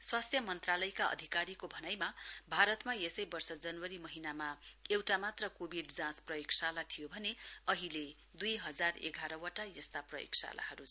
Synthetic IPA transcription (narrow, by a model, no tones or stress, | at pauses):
swast̪ʰjʌmʌnt̪ralʌjkaʌ̰d̪ʱikaɾikobʱʌnajmabʱaɾʌt̪majesʌjbʌrsʌd͡zʌnwʌɾimʌɦinamaewʈamat̪rʌkobʱiɖd͡zãt͡sprʌjoksalat̪ʰijobʱʌneʌɦile | d̪ujɦʌd͡zarḛɡʱaɾʌwaʈajʌst̪aprʌjo̰ksa̰la̰hʌɾu